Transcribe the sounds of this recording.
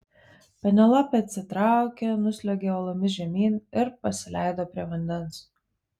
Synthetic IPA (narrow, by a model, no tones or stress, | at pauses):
pʲɛnʲɛlˠɑpʲɛɐt̪ʲsʲɪt̪ɾɑˑʊkʲenʊsʲlʲɛɡʲeɔlˠɔmʲɪʒʲɛmʲiːnɪɾpɐsʲɪlʲæˑɪd̪oːpʲɾʲiɛʋɐnʲd̪ʲɛns